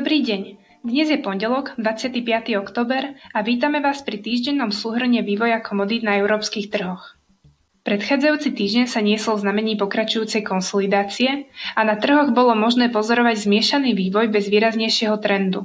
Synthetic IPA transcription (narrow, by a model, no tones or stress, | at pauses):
d̪ɔbɾiːɟɛɲ | d̪ɲɛzjɛpɔɲɟɛlɔɡd̪ʋat͡sɪat̪iːpɪat̪iɔkt̪ɔːbɛɾaʋiːt̪amɛʋaːspɾit̪iːʒɟɛnːɔmsuːɦr̩ɲɛʋiːʋɔjakʰɔmɔd̪id̪naɛʊɾɔːpskiːxt̪r̩ɦɔx | pɾɛt̪xaːd͡zajuːt͡sit̪iːʒɟɛɲsaɲɪɛsɔlˠvznamɛɲiːpɔkɾat͡ʃujuːt͡sɛjkɔnsɔlid̪aːt͡siɛanat̪r̩ɦɔɣbɔlɔmɔʒnɛːpɔzɔɾɔʋaɟzmɪɛʃaniːʋiːʋɔjbɛzʋiːɾazɲɛjʃɪɛɦɔt̪ɾɛnd̪u